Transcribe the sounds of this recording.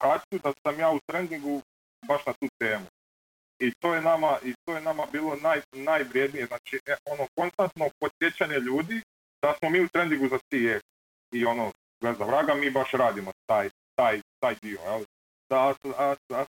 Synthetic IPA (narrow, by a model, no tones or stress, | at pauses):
kat͡ʃud̪asamjaːut̪ɾend̪iŋɡu | baʃnat̪uːt̪e̞ːmu | it̪o̞ːjenamaʔit̪ojenamabiːlˠo̞najnajʋɾje̞d̪nije̞znaːt͡ʃieo̞noko̞nst̪ant̪no̞po̞sje̞t͡ɕaɲeʎuːd̪i | d̪̥asmo̞miːut̪ɾe̞nd̪iŋɡuzat̪ie | io̞no | ɡezaʋɾaːɡamiːbaʃɾaːd̪imo̞t̪aːj | t̪aːjt̪aːjd̪io̞̰jeli | d̪̥aasaaa